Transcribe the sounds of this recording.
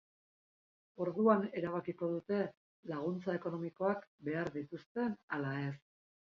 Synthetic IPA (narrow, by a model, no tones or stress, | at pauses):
o̞ɾðuane̞ɾaβakiko̞ðut̪e̞ | laɣ̞unt͡sae̞ko̞no̞miko̞akbe̞aɾðit̪ust̪e̞nalae̞s